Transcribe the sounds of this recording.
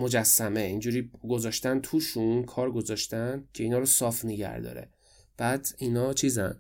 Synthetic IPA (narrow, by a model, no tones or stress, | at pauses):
mo̞d͡ʒæsːæmeiːnd͡ʒuːɾiːɡo̞zɒːʃt̪ænt̪ʰuːʃunkʰɒːɾɡo̞zɒʃt̪æncʰe̞iːnɒːɾosɒːfneɟæ̰ɾd̪ɒ̰ɾe̞̰ | b̥æːd̪inɒːt͡ʃʰiːzæn